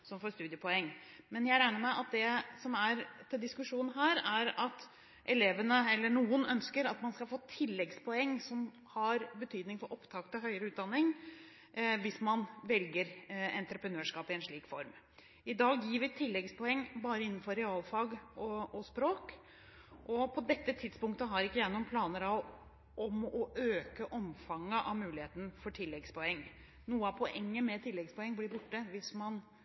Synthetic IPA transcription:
sɔmfoːɾst̪ʉːd̪jəpʰɔɛŋː | mɛnjæɾæɪnəmæɪʔɑt̪̚d̪ɛsɔmæɾt̪ʰɪld̪ɪskʉʂuːnnɦæːɾæɾɑt̪ | ʔɛleːʋənəɛlːəɳuːənœnskəɾɑt̪mɑnskɑlfoːt̪ʰɪlːɛɡspʰɔɛŋːsɔm | hɑɾbət̪ʰyːd̪nɪŋfɔɾʔɔpt̪ʰɑkt̪ɪlɦœʏəɾəʉːd̪ɑnːɪŋ | ʋɪsmɑnʋɛlɡəɾɛnt̪ɾəpɾənøːʂkɑːpɪɛnʂɭiːkfɔɾm | ɪd̪ɑːɡjiːʋɪt̪ʰɪlːɛɡspʰɔɛŋːbɑːɾəɪnːn̩fɔɾɛɑːlfɑɡɔɔspɾoːk | ʔɔpʰɔd̪ɛt̪ːət̪ʰɪd̪spʊŋk̚t̪əɦɑɾɪkːəjæɪnʊːnpʰlɑːnəɾɑʋ | ʔɔmɔʔøːkəʔɔmfɑŋːəʔɑʋmʉːlɪheːt̪ənfɔʈʰɪlːɛɡspʰɔɛŋː | nuːəɑpʰɔʔɛŋːəmɛt̪ʰɪlːɛɡspɔɛŋːblɪɾbʊʈːəʋɪsmɑn

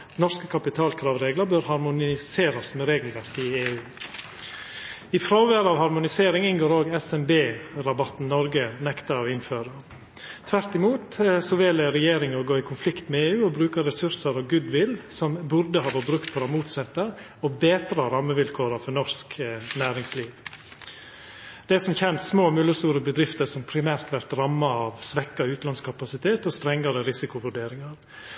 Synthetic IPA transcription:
nɔɾskəkʰɑpɪt̪ʰɑːlkʰɾɑːʋɾeːɡləɾbøɾhɑɾmʊnɪseːɾɑsmɛɾeːɡəlʋæɾkəɪeːʉː | ɪfɾoːʋæɾɑːʋhɑɾmʊnɪseːɾɪŋɪnɡoːɾoːɡɛsɛmbeːɾɑbɑt̪n̩nɔɾɡənɛkt̪əɾɔʋɪnføːɾə | t̪ʰʋæɾt̪ɪmuːt̪sɔʋɛlɾɛjeːɾɪŋɔɡoːɪkʰʊnflɪkt̪mɛeːʉːɔbɾʉːkəɾɛsʉɾsəɾɔɡʉːd̪ʋɪlsɔmbʉɾd̪əhɑːʋɔɾbɾʉkt̪fɔɾɔmuːt̪sɛt̪ːə | ɔbeːt̪ɾɑɾɑmːəʋɪlkʰoːɾɑfɔɾnɔsknæːɾɪŋsliːʋ | d̪̥ɛsɔmçɛnt̪smoːmʉlːəst̪uːɾəbəd̪ɾɪft̪əɾsɔmpʰɾɪmæːɾt̪ʋæɾt̪ɾɑmːɑɑʋsʋɛkːɑʉːt̪lɑnskʰɑpɑsɪt̪ʰeːt̪ɔst̪ɾɛŋːɑɾəɾɪsɪkʊʋʉɖeːɾɪŋɑɾ

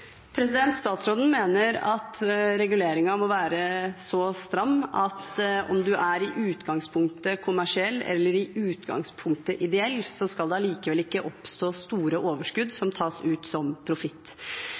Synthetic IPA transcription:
pʰɾɛsɪd̪ɛnt̪st̪ɑːt̪sɾoːd̪n̩meːnəɾɑt̪ɾɛɡʉleːɾɪŋɑmɔʋæːɾəsɔst̪ɾɑmːɑt̪ɔ̰md̪ʉʔæɾɪʔʉːt̪ɡɑŋspʰʊŋk̚t̪əkʰʊmæʂɪɛlːɛ̰lːəɾɪʉːt̪ɡɑ̰ŋspʰʊŋk̚t̪əʔɪd̪ɛɛlːsɔskɑld̪ɛɑliːkəʋɛlɪkːəʔɔpst̪oːst̪uːɾəʔoːʋəʂkʉd̪sɔmt̪ʰɑːsʉːt̪sɔmpʰɾʊfɪt̪ː

